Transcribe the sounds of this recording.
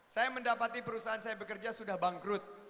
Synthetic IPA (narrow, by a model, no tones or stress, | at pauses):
sajaməndapat̪ipəɾusaɦansajabəkərd͡ʒasudahbaŋkɾʊt̪̚